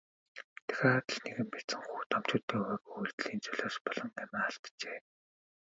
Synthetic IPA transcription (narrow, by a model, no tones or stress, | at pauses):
t̪ʰæ̥xʲaːat̪ə̆ɮneɣɘ̆mpæt͡sɘ̆ŋxuːt̪ʰɔm̥t͡ɕʊːt̪iːŋχœːɣujuɮt̪ɮiːnt͡sœɮoːʃpɔɮɞ̆ŋamaːaɬt̪t͡ɕeː